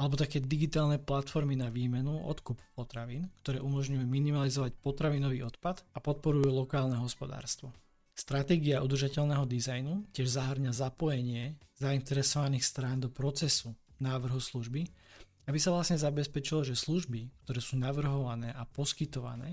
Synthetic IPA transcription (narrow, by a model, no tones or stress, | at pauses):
alɛbɔt̪akɛːd̪iɡit̪aːlˠnɛplat̪fɔɾminaʋiːmɛnuɔ̰t̪kuppɔt̪ɾaʋiːnkt̪ɔɾɛːʔumɔʒɲujuminimalizɔʋacpɔt̪ɾaʋinɔʋiːɔt̪pad̪apɔt̪̚pɔɾujulɔkaːlnɛɦɔspɔd̪a̰ːɾst̪ʋɔ | st̪ɾat̪ɛːɡiaʔud̪r̩ʒacɛʎnɛɦɔd̪izajnucɪɛʒzaɦrɲazapɔjɛɲɪɛz̥aint̪ɛɾɛsɔʋaniːxst̪ɾaːnd̪ɔpɾɔt͡sɛsu | naːʋr̩ɦusluʒbi | abisaʋlasɲɛzabɛspɛt͡ʃilɔʒɛsluʒbikt̪ɔɾɛːsuːnaʋr̩ɦɔʋanɛːʔapɔskit̪ɔʋa̰nɛ̰ː